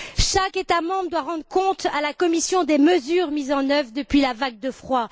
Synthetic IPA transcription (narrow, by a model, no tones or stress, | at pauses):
ʃaket̪amɑ̃bʁd̪waʁɑ̃d̪ʁəkɔ̃t̪alakɔmisjɔ̃d̪eməzyʁmizɑ̃nœvʁd̪əpɥilavaɡ̚d̪əfχwa